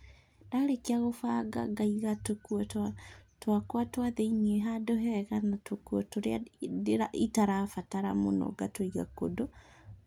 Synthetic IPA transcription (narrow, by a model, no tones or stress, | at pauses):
daɾekeaɣofaɡa̰ɡaiɣatokuɔatwakwatwaðeiɲeɦadoɦɛɣanatokwɔtoɾeadeɾaʔitaɾafataɾamo̰nɔ̰ɡatoiɣa̰ko̰do